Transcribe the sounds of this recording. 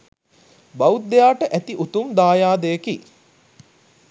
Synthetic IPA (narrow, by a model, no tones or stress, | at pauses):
baut̪ːejaːʈəʔæt̪iʔut̪umd̪aːjaːd̪ejəki